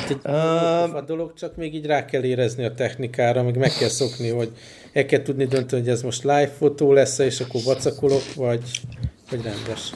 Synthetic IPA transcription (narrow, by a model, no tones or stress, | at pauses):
at̪ɛɟbɒd̪o̞lo̞kt͡ʃɒkmeːɡiːɟraːkɛlːeːɾɛzniɒt̪ɛxnikaːɾɒmɛːɡmɛkːɛlso̞kniɦo̞ɟ | ɛlkɛlt̪ud̪nid̪ønt̪ɛniɦoɟɛzmo̞ʃt̪laːjfːot̪oːlɛsːɛeːʃɒkːorvɒt̪sɒkolo̞kvɒɟvɒɟrɛnd̪ɛʃ